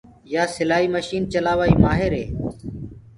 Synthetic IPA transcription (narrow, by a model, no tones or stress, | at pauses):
jaːsɪlaːɦiːməʃiːnt͡ʃəlaːʋaːiːmaːɦɪɾɦeː